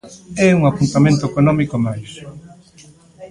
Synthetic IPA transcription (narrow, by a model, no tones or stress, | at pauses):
ɛuŋapunt̪amẽnt̪oekonɔmikomajs